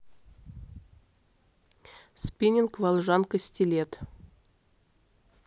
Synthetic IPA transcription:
spʲinʲinkvɑlˠʒɑnkəsʲtʲilʲet̪

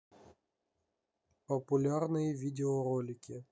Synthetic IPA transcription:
pəpʊlʲarnɨjəvʲidʲɪoɾolʲɪkʲɪ

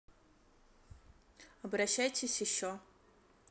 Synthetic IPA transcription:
ɐbɾɐɕːajtʲʰɪsʲjɪɕːo

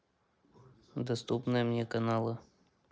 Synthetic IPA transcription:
d̪ɐst̪upnɨjəmnʲɛkɐnalˠɨ

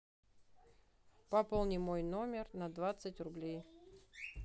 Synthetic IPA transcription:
pɐpolˠnʲɪmojnomʲɪrnɐd̪vat̪sɨtʲrʊblʲej

